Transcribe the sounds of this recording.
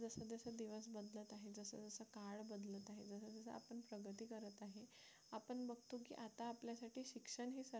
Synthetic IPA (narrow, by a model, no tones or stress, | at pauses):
d͡zəsəd͡z̪əsəd̪iʋəsbəd̪lət̪aɦed͡zəsə̰d͡zəsəkaɭbəd̪lət̪aɦḛd͡zəsəd͡z̪əsə̰a̰pəɳpɾəɡʱət̪iːkəɾət̪aɦe | apəɳbəɡ̚t̪uk̬ḭːʔat̪aːpljasaʈʰiːɕikʂəɳɦisə